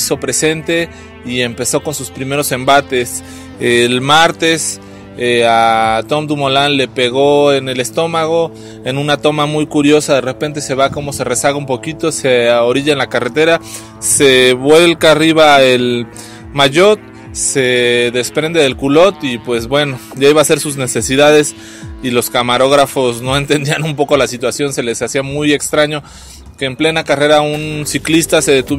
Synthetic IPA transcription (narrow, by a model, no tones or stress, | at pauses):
so̞pɾe̞se̞nt̪e̞ | ie̞mpe̞so̞ko̞nsuspɾime̞ɾo̞se̞mbat̪e̞s | elmaɾt̪e̞s | eat̪o̞md̪umolanle̞pe̞ɣo̞e̞ne̞le̞st̪o̞maɣo̞ | e̞nũnat̪o̞mamujkuɾjo̞saðe̞re̞pe̞nt̪e̞se̞βako̞mo̞se̞re̞saɣaumpo̞kit̪o̞seaoɾiʝaenlakare̞t̪e̞ɾa | se̞βwe̞lkaːriβae̞l | maʝo̞t̪̚ | se̞ðe̞spɾe̞nd̪e̞ðe̞lkulo̞t̪ipwe̞zbwe̞no̞ʝaiβase̞ɾsuzne̞se̞siðaðe̞s | ilo̞skamaɾo̞ɣ̞ɾafo̞sno̞e̞nt̪e̞nd̪ianumpo̞ko̞lasit̪wasjo̞nse̞le̞sasiamuje̞kst̪ɾaɲo̞ | ke̞ːmple̞nakare̞ɾaunsiklist̪ase̞ðe̞t̪uβ